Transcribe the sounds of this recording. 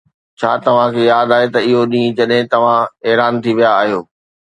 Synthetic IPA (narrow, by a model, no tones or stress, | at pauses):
t͡ɕʰaːt̪ɐʋ̤ãkʰejaːd̪aːɦet̪ɐɪɦoɗĩːd͡ʑɐɗɦɪ̃t̪ɐʋ̤ãɛːɾaːnt̪ʰiʋijaːɦijoː